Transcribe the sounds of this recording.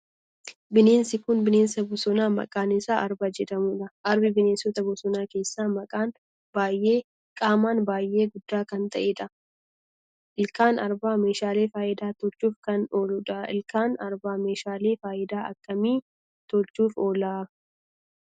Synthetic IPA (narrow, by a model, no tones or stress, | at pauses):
bɪne̞ːnsɪkʊnbɪne̞ːnsɐbʊsɔnaːmɐ̰kʼaːnɪsaːʔɐɾbad͡ʒɛᶑ̪ɐmʊːᶑɐʔɐɾbɪbɪne̞ːnsɔt̪ɐbʊsɔnaːke̞ːsːaːmɐkʼaːn | baːjːe̞ː | kʼaːmaːnbaːjʔːe̞ːɡʊd̪ːaːkɐnt̪ɐʔeːᶑɐ | ɪlkaːnɐɾbaːme̞ːʃaːle̞ːfaːʔɪd̪aːt̪ɔt͡ʃːuːfkɐnoːlʊᶑɐɪlkaːnɐɾbaːme̞ːʃaːle̞ːfaːjɪd̪aːʔɐ̰kːɐmiː | t̪ɔt͡ʃːuːfo̞ːlaː